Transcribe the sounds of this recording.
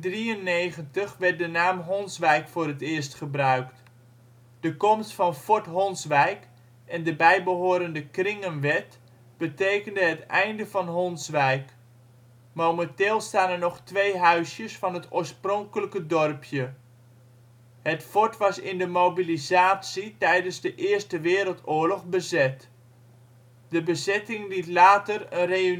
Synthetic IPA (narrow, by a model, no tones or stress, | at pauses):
driənːejχəntəχʋɛɹt̚dənaːmɦɔnsʋɛjkfʊːrətɪːɹstχəbrœɥkt | d̥əkɔmstfɑnfɔɹtɦɔnsʋɛjk | ɛndəbɛjbəɦoːɾəndəkrɪŋənʋɛt | b̥ətejkəndəɦətɛjndəvɑnɦɔnsʋɛjk | mowmənteːlˠstaːnənɔxtʋejɦœɥsjəsfɑnɦətʰoːɹsprɔŋkələkədɔrpʰjə | hətfɔɹtʋɑsɪndəmowbilizaːsitɛjdənzdəʔɪərstəʋɪːɾəlˠtʊːəɹlɔχbəzɛt | d̥əbəzɛtɪŋlitlaːtərənre